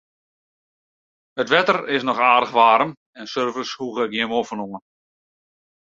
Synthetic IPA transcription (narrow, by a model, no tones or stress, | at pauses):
ətʋɛtərɪsnɔχaːdəχʋaːɾəm | ɛnsørvəshuɣək̚ɡjɪəmofənuŋən